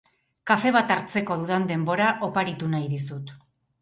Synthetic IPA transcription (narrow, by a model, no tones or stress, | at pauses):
kafe̞β̞at̪aɾt͡se̞ko̞ð̞uðand̪e̞mbo̞ɾaʔo̞paɾit̪unajðisut̪